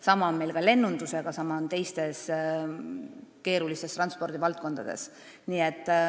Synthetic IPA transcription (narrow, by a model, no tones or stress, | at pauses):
sɑmɑonme̞lkɑle̞nːund̪̥use̞ɡ̥ɑsɑmɑont̪e̞jst̪e̞s | ke̞ːɾulist̪e̞st̪rɑnspo̞rd̪̥ivɑlt̪̚ko̞nd̪̥ɑd̪̥e̞̰s | niet̪ːˑ